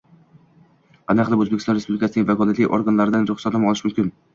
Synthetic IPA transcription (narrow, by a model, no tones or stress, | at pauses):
qanaqlˠɪbɵzbekʲʰsɒnɾespublʲɪkʰʲasɪnɪŋʲvakʰɒlat̪liʔoɾɡanlaɾɪd̪anɾʊχsat̪amɒlˠɪʃmʊmkʲʰɪn